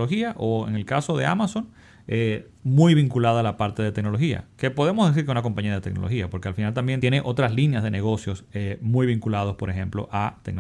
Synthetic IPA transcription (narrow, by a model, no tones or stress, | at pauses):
loxiaʔoe̞̰ŋe̞lkaso̞ðe̞a̰maso̞ŋ | e | mujβiŋkulaðaːlapaɾt̪e̞ðe̞t̪ekno̞lo̞xia̰ke̞po̞ð̞e̞mozðe̞s̬iɾkeunakompaɲiaðe̞t̪ekno̞̰lo̞xiapo̞ɾke̞alfinalt̪ambjent̪jeneʔo̞t̪ɾaslinjazðe̞neɣ̞o̞sjo̞semujβiŋkulað̞o̞spo̞ɾe̞xe̞mplo̞̰ʔat̪ek̚no